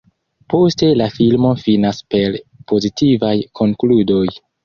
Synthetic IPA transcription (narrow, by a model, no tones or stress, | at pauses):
po̞ste̞lafilmo̞finaspe̞ɾpʰo̞zitʰivajkʰo̞ŋkludo̞j